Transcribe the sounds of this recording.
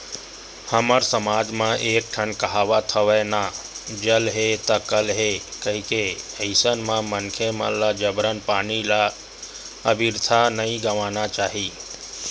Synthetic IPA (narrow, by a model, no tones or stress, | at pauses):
həməɾsəmaːd͡ʒmãʔeːk̚ʈʰənkəɦaːʋat̪ʰəʋenad͡ʒəlɦet̪akəlɦekəɦĩkeəɪsənmãmənkʰemə̰lːad͡ʒəbɾənpaːnila | əbʱiɾt̪ʰanəĩɡəʋaːnat͡ʃaːɦiː